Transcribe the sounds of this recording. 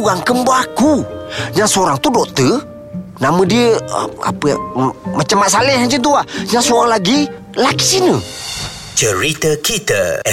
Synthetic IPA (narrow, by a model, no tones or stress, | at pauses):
uɣaŋkəmbaakuɲaŋsoɾaŋt̪udoʔt̪ə | namədiəə̰a̰pə̰mət͡ʃəmaʔsalɪhant͡ʃənt̪̬uaɲaŋsoɾaŋlaɡi | laki̥sinə | t͡ʃəɾit̪əkit̪ə